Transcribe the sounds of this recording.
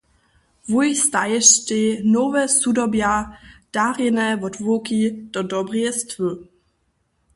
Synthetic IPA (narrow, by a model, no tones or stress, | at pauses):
vujst̪ajɛʃtenɔvɛsudɔbjad̥aʁɪnɛvɔdvokid̥ɔdɔbʁjɛst̪və